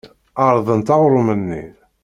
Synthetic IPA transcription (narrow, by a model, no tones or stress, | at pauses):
ɑɾˤðˤənt̪ɑʁɾˤʊmənːḭɾ